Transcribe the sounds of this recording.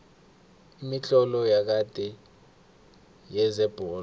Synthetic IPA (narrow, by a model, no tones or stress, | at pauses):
imiɬɔlɔjak̬ad̥ʱɛ | jɛzɛb̥ʱɔːl